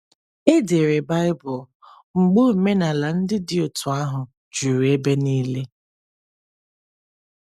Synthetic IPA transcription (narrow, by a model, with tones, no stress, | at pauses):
e˦de˨ɾe˨ba˦ɪ˦bʊ˨l | ŋ͡m̩˨ɡ͡bo˦˨me˦na˨la˨n̩˦dɪ˦dɪ˨ʊ˨tʰʊ˨a˦ɦʊ˨ | d͡ʒu˨ɾu˨e˦be˦niː˦le˦